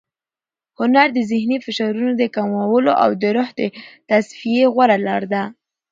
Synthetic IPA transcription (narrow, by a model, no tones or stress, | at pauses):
hʊnaɾd̪əzɪhnifɪʃɑɾunod̪əkamawəloʔa̰wd̪əɾʊhd̪et̪asfijeɣwaɾalɑɾd̪a